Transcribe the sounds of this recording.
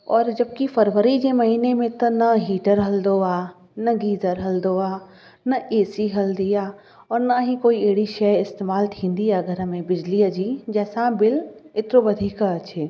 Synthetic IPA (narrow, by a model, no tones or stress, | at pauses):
ɔːɾd͡ʒɐb̚kifʰɐɾʋəɾid͡ʒemɐɦiːnemẽt̪ɐnɐɦiːʈəɾɦɐld̪oaː | nɐɡiːzəɾɦɐld̪oaː | nɐʔeːsiɦɐld̪ijaː | ɔːɾnaɦikoːieːɽiʃɛɪst̪eːmaːlt̪ʰĩːnd̪iaɡʱəɾəmẽbɪd͡ʒliəd͡ʒid͡ʒɛːsãbɪlɪt̪ɾoʋɐd̪ʱiːkət͡ʃʰeː